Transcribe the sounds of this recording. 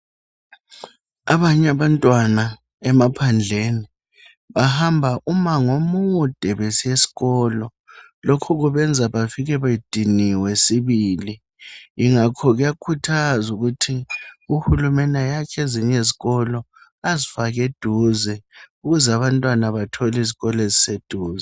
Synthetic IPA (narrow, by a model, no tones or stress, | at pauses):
aβaɲaβantʼwana | ɛmapʰand͡ɮʱeni | βahambʱaʔumaŋomud̥ʱɛβesiesi̥ɣɔːlɔ | lɔkʰɔɣuβɛnd͡zʱaβafiɣɛβajid̥ʱiniwɛsiβiːli | iŋakʰɔɣujakʰutʰazuɣutʰiuhulumɛnajakʰeziɲeziɣɔlɔ | azifaɣed̥ʱuzɛuɣuzaβantʼwanaβatʰɔliziɣɔlezised̥ʱuːzɛ